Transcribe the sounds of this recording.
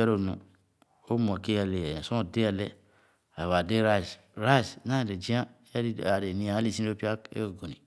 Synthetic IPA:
e˦ɾo˦˨nṵ˨ | o˦m˨ke˦ja˨le˨ja˨ja˨so˦˨de˦a˨lḛ˦ | a˨wa˨de˦ɾa˦˨s | ɾa˦˨sna˦˨de˨d͡ʒi˦a˦a˦di˦˨a˨ɾe˨nĩ˨a˨˦li˦˨si˦o˦pi˦a˦kḛ˦o˨ɡo˨ni˨

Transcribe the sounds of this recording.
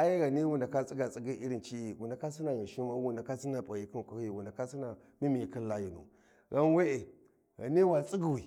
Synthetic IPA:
a˦ji˦ɣa˨ni˦wu˨nda˨ka˦t͡sʼi˦ɡa˨t͡sʼi˦ɡi˦i˦ɾi˨nt͡ʃi˦i˨wu˨nda˨ka˦si˦na˨ɣi˨ʃi˦ma˦wu˨nda˨ka˦si˦na˨pa˨ji˦ki˦n˨kʷa˨hi˨wu˨nda˨ka˦si˦na˨ | mi˦mi˨i˨ki˦la˦ji˨nṵ˨ | ɣa˦n˦we˦e˨ | ɣa̰˨ni˦wa˨t͡sʼi˦ɡi˨wi˨

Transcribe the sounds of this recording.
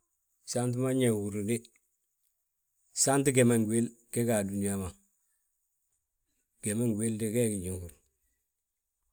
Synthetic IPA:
sa˦nt̬u˦ma˦ɲe˨ŋɡu˨ɾdi˦ | sa˦nt̬i˦ɡe˨ma˨ŋɡu˨e˦lke˦ka˨du˨ni˦ja˦ma˨ | ɡ̥e˨ma˦ŋɡʷe˦ldi˦ke˦ɡi˨ɲi˨ŋɡu˨ɾ

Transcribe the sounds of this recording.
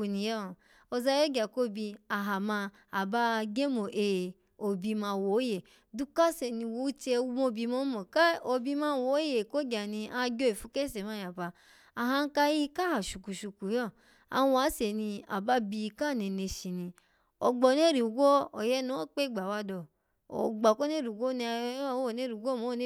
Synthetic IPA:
u˧ni˧jɔ˦˨ | o˧za˧jo˦ɡa˨ko˦bi˧a˨ɦa˨mã˧ | a˨ba˧ɡe˦mo˨ʔe˨ | o˧bi˧mã˧˨wo˨˦je˨ | du˦ka˦se˨nĩ˧wo˨˦u˦t͡ʃe˧˦mo˧˦bi˧mo˦mɔ˨ka˦o˧bi˧mã˧˨wo˨˦je˨ko˦ɡʲa˨nĩ˧a˧˦ɡʲo˦e˨fu˧ke˦se˨ma˧˦˨ja˨ba˧ | a˨ɦã˧˦n̩˦ka˧ji˦ka˦ha˨ʃu˨ku˨ʃu˨ku˨jɔ˦˨ | a̰˧wa˨˦se˨nĩ˧a̰˨ba˧˦bi˧ka˦˨ne˨ne˧ʃi˧nĩ˧ | o˨ɡ͡bɔ˨n˦e˦ɾi˨u˨ɡʷo˦o˨jɛ˦no˦o˦k͡pe˦˨ɡ͡ba˨wa˧dɔ˧˨ | o̰˨ɡ͡bɔ˨ko˦ne˦ɾi˨ɡo˦ni˧a˧˦wo˨ne˦ɾi˨ɡo˦mo˨˦n˦

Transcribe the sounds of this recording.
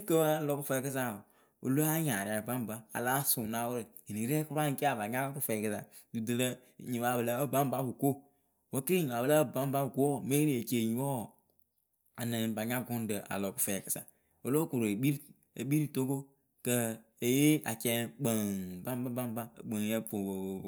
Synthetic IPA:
kə˦a˨lɔ˨ku˦fɛ˦kɨ˦sa˦˨ | o̰˨lo˦a˦ɲa˨ɾa˨ɾɨ˨ba˦m˨ba˦a̰˨laː˦su˨na˦wə˦ɾɨ˨ | i˨ni˨˦ɾɛ˦ku˦ɾa˦ŋ̩˦ki˦a˨ba˨ɲa˦ku˦fɛ˨kɨ˦sa̰˨ | du˨dɨ˨lə˦˨ | ɲi˨ba˨bə˨lə˦ə˦bã˦m˦ba˦bu˨ko˦ | wə˦ki˦i˦ɲi˨a˨bə˨la˦ə˦˨ba˦m˦ba˦bu˨ko˦˨me˦ɾi˦e˨t͡ʃe˨ɲi˨wɔ˦˨ | a˨nə˨ba˨ɲa˦ɡʊ˦n˦də˨a̰˨lo˨ku̥˨fɛ˨kɨ˨sa̰˨ | o˨lo˦ku˨ɾo˨e˨ɓi˦ɾ | e˨ɓi˦ɾi˦to˦ko˦ | kə˦ | e˨je˦a˨kɛ˦k͡pə˨ba˦m˦ba˦ba˦m˦ba̰˦˨k͡pə˨ŋ˨˦ɛ˦po˨

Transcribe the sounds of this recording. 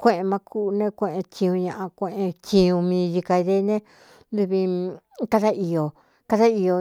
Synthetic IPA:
kʷẽ˧˨ʔẽ˧mã˧kʰu˦˧nẽ˦kʷẽ˧ʔẽ˧t͡ʃĩ˧ũ˧ɲã˧ʔã˧kʷẽ˧˨ʔẽ˧t͡ʃĩ˧ũ˧mĩː˧ʒi˧ka˧i˧ðe˦nẽ˦ | nd̪u˧βĩ˧ | ka˦ða˦i˨jo˨ | ka˧˦ða˦i˧jo˧

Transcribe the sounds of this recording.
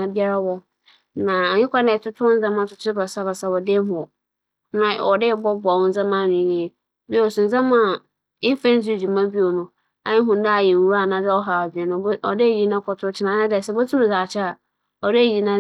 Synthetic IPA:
ã˨bi˦a˦ɾa˦wɔ˦ | nã˨ɲɪ̃˦kʷa˦nɛ̃˨tʰʊ˦tʰʊ˦n̩˦zã˦mã˦˨tʰʊ˨tʰʊ˦ɪ˦ba˨sa˦ba˨sa˦wɔ˨de˦ɦʊ̃˨ɔ˨˦ | nã˨ɔ˨dɪ˦bɔ˦ba˨wʊ̃˦n̩˦zã˦mã˦˨nĩ˨ni˨e˨˦ | bi˦wo˨sʊ̃˨n̩˨zã˦mã˦ | ɪ˦fɛ̃˦n˦su˦˨d͡ʑi˨mã˦bi˦o˨nʊ̃˨ | a˦ɪ̃˦ɦʊ̃˨n˦da˦a˨jɛ˨u˦ɾa˨nã˨dɛ˦ɔ˦ɦa˨bɛ˨nʊ̃˨˦ɔ˨de˦˨ji˨nã˦kʰɔ˨tʰʊ˦ʊ˦t͡ɕʰɪ˨nã˨˦nã˦dɛ˨sɛ˦bo˦tʰʊ̃˦m̃˨za˨t͡ɕʰɪ˦a˨ | ɔ˨de˦˨ji˨nã˦

